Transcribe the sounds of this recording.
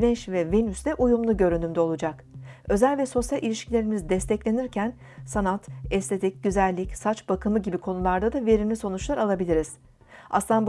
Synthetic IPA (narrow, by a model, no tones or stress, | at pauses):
nɛʃvɛve̞nysd̪ɛʔujumlˠuɟø̞ɾynymd̪ɛo̞lˠud͡ʒak | ø̞zælʲvɛso̞sjalʲʔilʲiʃcʰilʲe̞ɾimizd̪ɛst̪ʰɛclʲe̞niɾcʰæn | sanat̪ɛst̪ʰe̞t̪ʰic̚ɟyzælʲːicsat͡ʃbakʰɯmɯɟibikʰo̞nulˠaɾd̪ad̪ave̞ɾinnʲiso̞nut͡ʃlˠaɾalˠabilʲiɾiz̥ | a̰slˠanb